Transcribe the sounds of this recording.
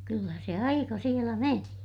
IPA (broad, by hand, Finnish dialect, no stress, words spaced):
kylːæ se ɑikɑ sielæ meni